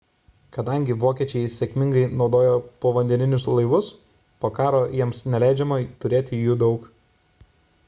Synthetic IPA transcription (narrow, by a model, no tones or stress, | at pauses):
kɐd̪ɐŋʲɡʲɪʋoːkʲiɛt͡ʃʲɛɪsʲɛkʲmʲɪŋɡɐɪnɒʊd̪oːjoːpoːʋɐnʲd̪ʲɛnʲɪnʲʊslˠɐɪʋʊs | poːkɑːɾoːjiɛmsnʲɛlʲæˑɪd͡ʒʲɛmoːt̪ʊɾʲeːt̪ʲɪjuːd̪ɒʊk